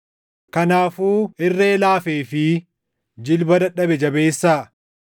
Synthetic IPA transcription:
kɐnaːfuːɪrːeːlaːfeːfɪ | d͡ʒɪlbɐd̪ɐᶑɐbɛd͡ʒɐbe̞ːsːaː

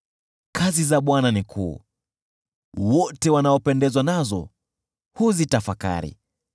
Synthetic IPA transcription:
kʰazizaɓwananikʰṵː | wɔtɛwanaɔpɛndɛzwanazɔ̰ | huzitafaka̰ɾḭ

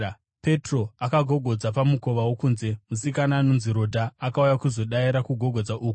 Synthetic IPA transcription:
pe̞tro̞akaɡʱo̞ɡʱo̞d͡zapamuko̞ʋawokuːnze̞mus̬ikanaːno̞nziɾo̞dʱaːkaujakuzo̞ɗaiɾakuɡʱo̞ɡʱo̞d͡zaʔuːku̥

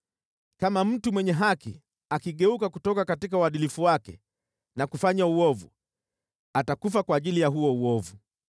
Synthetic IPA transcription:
kamam̩tumwɛɲɛɦakḭ | akiɠɛukakutɔkakatik̬auwaɗilifuwakɛ̰ | nakufaɲauɔvṵ | atakufakwaːʄilijaɦuɔuɔvu

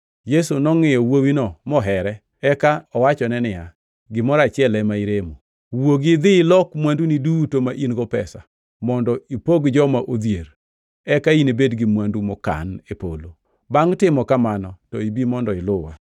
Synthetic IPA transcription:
jesunɔŋɪjɔwowinɔmɔɦɛɾɛ | ɛkaɔwat͡ʃɔnɛnɪja | ɡɪmɔɾat͡ʃɪɛlɛmaiɾemo | woɡɪd̪ɪlɔkmwandunidutomaʔinɡɔpɛsa̰ | mɔndɔipoɡd͡ʒɔmaʔod̪jeɾ | ɛkainebedɡɪmwandumɔka̰nepo̰lo | baŋtɪmɔkamanɔtɔibimɔndɔɪlʊwa̰

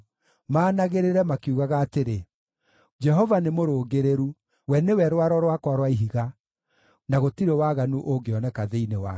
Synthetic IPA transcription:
maːnaɣeɾeɾɛmakiuɣaɣaːteɾe | d͡ʒɛɦɔvanemoɾoːɡeɾeɾu | wɛnewɛɾwaɾɔɾwakwaɾwaiɦiɣa | naɣotiɾewaɣanuʔoɡeɔnɛkaðeinewa

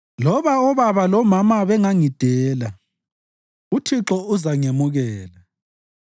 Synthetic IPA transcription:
lɔβaɔβaβalɔmamaβɛŋaŋid̥ʱɛːla | utʰiǁɔuzaŋemuɣɛːla

